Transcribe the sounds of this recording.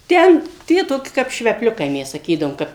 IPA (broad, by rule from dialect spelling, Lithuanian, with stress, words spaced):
ˈtʲɛn ˈtʲiɛ toːˈkʲɪ kɐp ʃʲʋʲɛpʲˈlʲʊkɐɪ ˈmʲɛs sɐˈkʲiːdɐʋoːm ˈkɐp